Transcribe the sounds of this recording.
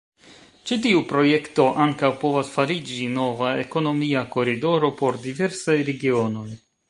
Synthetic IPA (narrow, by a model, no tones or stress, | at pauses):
t͡ʃitiupɾo̞je̞kto̞ʔaŋkawpo̞vasfaɾid͡ʒino̞vae̞ko̞no̞miako̞ɾido̞ɾo̞po̞ɾdive̞ɾsajɾe̞ɡio̞no̞j